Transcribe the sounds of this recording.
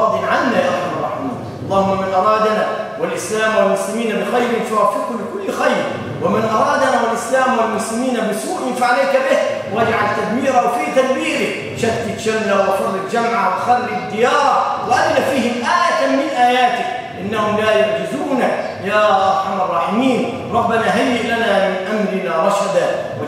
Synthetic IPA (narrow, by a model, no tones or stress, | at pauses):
ɑd̪ˤiʕanːajaːʔxamɑrˤːɑ̰ħɪmiːnʔɑlˤːɑːhʊmːamɪnʔɑɾˤɑːd̪anawalʔɪslaːmwalmʊslɪmiːnabɪxajɾɪnfʊwafːɪqhʊmbɪkʊlːxajɾ | wɪmɪnʔɑɾˤɑːd̪anaːwalʔɪslaːmwalmʊslɪmiːnabɪsuːʔɪfaʕalejːkabɪhwad͡ʒʕalt̪ad̪miːɾawfiːt̪ad̪wiːɾɪ | ʃat̪ːɪt̪ʃalːawt̪uːlɪt̪d͡ʒamʕawt̪xɑrːɪd̪ːɪjɑːɾˤwɪʔalːafiːhɪmʔaːjat̪ammɪnʔaːjaːt̪ɪk̚ | ʔɪnːahʊmlaːjaɾd͡ʒɪzuːna | jaːʔɑɾˤħamɑrˤːɑːħɪmiːn | ɾˤɑbːɪnaːɦajːɪʔlanaːmɪnʔamɾɪnaːɾˤɑʃad̪a